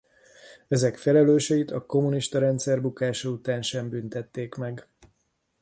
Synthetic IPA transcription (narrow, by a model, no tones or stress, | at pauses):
ɛzɛkfɛlɛløːʃɛjit̪ɒko̞muniʃt̪ɒɾɛnt̪sɛrbukaːʃɒut̪aːnʃɛmbynt̪ɛt̪ːeːkmɛɡ